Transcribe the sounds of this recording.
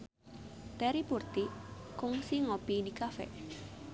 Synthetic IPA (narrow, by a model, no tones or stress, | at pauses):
t̪ɛɾipurt̪ikʊŋsiŋopinikafɛ̰